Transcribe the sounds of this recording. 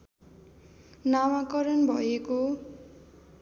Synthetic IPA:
nawakʌɾʌnbʱʌeko

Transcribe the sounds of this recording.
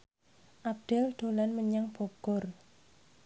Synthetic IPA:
ʔab̚ɖ̪̥ɛ̤ld̪̥o̤lanməɲaŋb̥o̤ɡ̥ɔr

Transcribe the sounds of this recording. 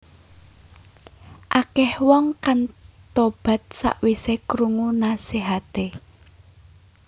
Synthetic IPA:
ʔakɛhwɔŋkant̪ob̥ä̤t̪̚sa̰ʔwisekɾuŋunaseɦat̪e

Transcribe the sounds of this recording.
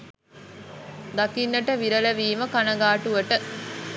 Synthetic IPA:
d̪ɐkinːɐʈəʋiɾɐlɐʋiːməkanɐɡaːʈuʋəʈə

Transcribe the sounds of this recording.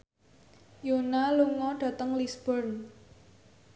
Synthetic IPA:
jonaluŋɔɖ̥ä̤t̪əŋlisb̥ɔrn

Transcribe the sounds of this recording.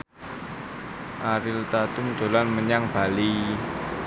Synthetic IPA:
ʔaɾɪlt̪at̪ʊmd̪̥o̤lanməɲaŋb̥a̤li

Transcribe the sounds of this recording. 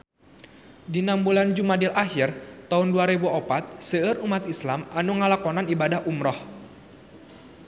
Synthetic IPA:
dinambuland͡ʒumadilʔaɦirt̪aʊnduaɾebuʔɔpat̪̚səɨɾumat̪islamanuŋəlakɔnanibadahumɾɔh

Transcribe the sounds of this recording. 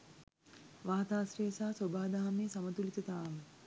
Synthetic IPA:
ʋaːt̪aːsɾeːsaːsobaːd̪aɦameːsamət̪ulit̪ət̪aːʋə

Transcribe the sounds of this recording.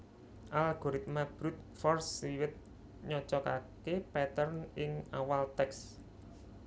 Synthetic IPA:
ʔalɡ̥ɔɾit̪̚mab̥ɾut̪̚fɔrsiwɪt̪̚ | ɲɔt͡ʃɔkakepɛt̪ərnɪŋawalt̪ɛks

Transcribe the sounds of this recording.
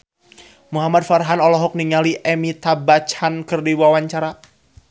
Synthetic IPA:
muɦamad̪̚farɦanɔlɔɦɔk̚niŋaliʔɛmit̪abat͡ʃhankɨrdiwawaɲt͡ʃaɾa

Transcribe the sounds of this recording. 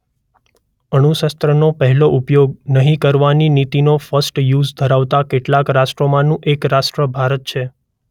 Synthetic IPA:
ənuʃəst̪ɾənopəɦɛloʔʊpjoɡnəɦĩkəɾʋaninit̪inofəsʈjuzd̪ʱəɾaʋt̪akeʈlakɾasʈɾomãnũʔekɾasʈɾəbʱaɾət̪̚t͡ʃʰe

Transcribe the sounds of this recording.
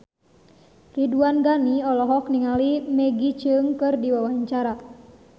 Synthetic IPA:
riduanɡaniɔlɔɦɔk̚niŋalimɛɡit͡ʃɨŋkɨrdiwawaɲt͡ʃaɾa

